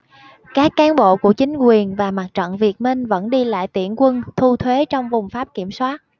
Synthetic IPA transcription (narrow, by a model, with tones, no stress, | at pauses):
kaː˦˥kːaː˨˦nɓo̰˧˨ku˧˩ət͡ɕï˨˦ŋ̟kwi˨˩ənvaː˨˩ma˨˩t̚t͡ɕə̰˧˨ŋvi˨˩ət̚mï˧ŋ̟və̰˧˥nɗi˧la̰ː˧˨jt̪ḭ˧˩ənkwə˧nt̪ʰu˧t̪ʰwe˨˦t͡ɕɔ˧wŋ͡mvʊ˨˩ŋ͡mfaː˦˥p̚ki˧˩əmswaː˦˥t̚